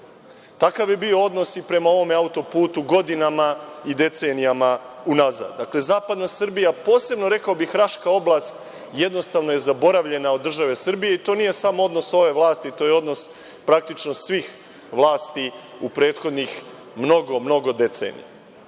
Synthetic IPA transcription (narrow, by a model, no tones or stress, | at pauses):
t̪akaʋjebio̞o̞d̪no̞sipɾe̞mao̞ʋo̞meaut̪o̞puːt̪uɡo̞d̪inamaid̪e̞t̪se̞nijamaunaza̰ːd̪d̪akle̞zaːpad̪nasrbijapo̞ːse̞bno̞ɾe̞kaobixɾaʃkao̞blˠast̪ | jed̪no̞st̪aʋno̞je̞zabo̞ɾaʋʎe̞naod̪ːr̩ʒaʋe̞sr̩bije̞it̪o̞nije̞samoo̞d̪no̞so̞ʋe̞ʋlˠaːst̪it̪o̞ːjeo̞d̪no̞s | pɾak̚t̪it͡ʃno̞sʋiːx | ʋlˠaːst̪i | upɾe̞ːt̪xo̞d̪nix | mno̞ɡo̞mno̞ɡo̞d̪e̞t̪sḛːnḭja̰